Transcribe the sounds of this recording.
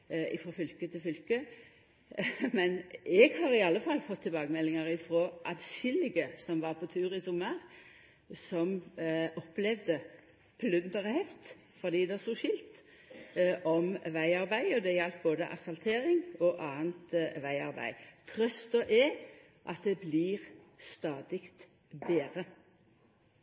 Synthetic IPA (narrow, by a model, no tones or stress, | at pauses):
ɪfoːfʏlkət̪ʰɪlfʏlkə | mɛnɛɡhɑʁɪɑlːəfɑlːfɔt̪ʰːɪlbɑːɡəmɛlːɪŋəʁɪfɾoːʔɑd̪ʃɪlːɪɡəsɔmʋɑʁpʰɔt̪ʰʉːʁɪsʊməʁ | sɔmɔplɛʋd̪ə | pʰlʉnd̪əʁhɛft̪ | fɔd̪iːd̪ɛæsɔʃɪlt̪ | ʔɔmʋæɪɑʁbæɪɔd̪ɛjɛlt̪̚boːd̪əʔɑ̰sɑlt̪ʰeːɾɪŋɔʔɑːənt̪ʋæɪɑ̰ʁbæ̰ɪt̪ʰʁœst̪ɔʔɛ | ʔɑ̰t̪̚d̪ɛbliʁst̪ɑːd̪ɪkt̪ | beːʁə